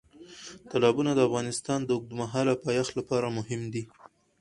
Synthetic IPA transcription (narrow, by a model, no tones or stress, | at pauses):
t̪alɑbunad̪əafɣɑnɪst̪ɑnd̪əʊɡ̚d̪umaɦɑlapɑjɑxlapɑɾamʊɦɪmd̪i